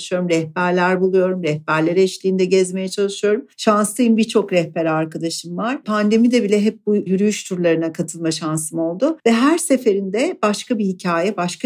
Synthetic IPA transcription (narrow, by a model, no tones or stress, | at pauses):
ʃɯjo̞ɾumɾɛhbæɾlʲæɾbulˠujo̞ɾumɾɛhbæɾlʲeɾɛʃlʲiːnd̪ɛɟɛzme̞jɛt͡ʃʰalˠɯʃɯjo̞ɾumʃanslˠɯjɯmbiɾt͡ʃʰo̞kɾɛhpɛɾaɾkad̪aʃɯmvaɾ̥pʰand̪e̞mid̪ɛbilʲɛɦɛp̚bujyɾyjyʃt̪ʰuɾlˠaɾɯnakʰat̪ʰɯlˠmaʃansɯmo̞lˠd̪ʊvɛɦæɾse̞fe̞ɾind̪ɛb̥aʃkabihicʰaːjɛbaʃka